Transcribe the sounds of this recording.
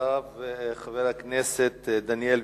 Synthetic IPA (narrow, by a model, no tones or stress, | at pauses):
avχaveʁhakneset̪d̪anjel